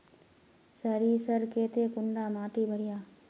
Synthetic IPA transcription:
sɐɾiːsɐɾkeːt̪eːkʊɳɖaːmaːʈibʱəɾɪjaː

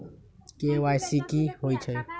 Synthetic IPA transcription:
keʋajsikiɦoit͡ʃʰəj

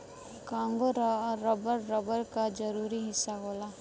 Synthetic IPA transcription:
kãːŋɡoɾːɐbəɾːəbəɾkad͡ʒɐɾuːɾiɦɪsːaɦoːlaː

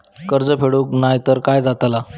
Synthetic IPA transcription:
kəɾd͡zəpʰeɽuknajt̪əɾkajd͡zat̪la

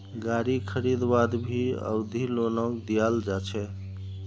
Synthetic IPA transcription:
ɡaɾikʰəɾid̪bad̪bʱiə̰bd̪ʱilonɔkd̪ijald͡ʒat͡ʃʰɛ

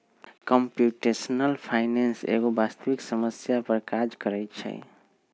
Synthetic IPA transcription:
kəmpjuʈesnəlpʰaɪnensḛɡobast̪əʋiksəməsjapəɾkad͡ʒkəɾɛt͡ʃʰɛ̰

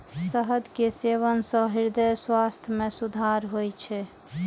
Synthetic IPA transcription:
səɦəd̪keseʋənsə̃ɦiɾd̪əjswast̪ʰjəmesud̪ʱaɾɦojt͡ʃʰɛ

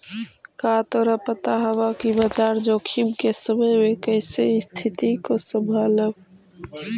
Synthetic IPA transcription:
kaːt̪oɾəpət̪aɦəwakibət̪aːɾd͡ʒoːkʰimkesəməjmẽkəɪsest̪ʰɪt̪ikosə̃mbʱaːləb

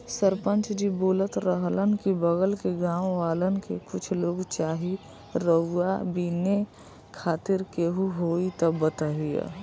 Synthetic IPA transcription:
səɾpənt͡ʃd͡ʒiboːlət̪ɾəɦlənkibəɡəlkeɡãːʋʋaːlənkḛkʊt͡ʃʰloːɡt͡ʃaːɦi | ɾəabine | kʰaːt̪ɪɾkeɦuɦoit̪əbət̪əɦijə̰

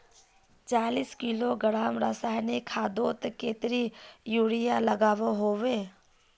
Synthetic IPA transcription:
t͡ʃaːliːskiloɡəɽaːmɾasaːjnikʰːaːd̪oːt̪keːt̪ɾijuːɽijaləɡaːʋoɦoːʋeː

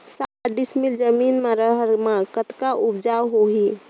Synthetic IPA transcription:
saɖismild͡ʒəminmeɾəɦəɾmakət̪kaʔubd͡ʒawɦoɦi

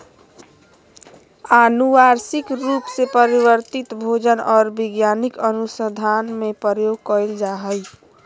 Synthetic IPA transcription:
anuʋaɾsikɾupsepəɾiβəɾt̪it̪bʱod͡ʒənɔːɾbiɡjanikənusəd̪ʱanmepəɾjoɡ̚kəjld͡ʒaɦəj

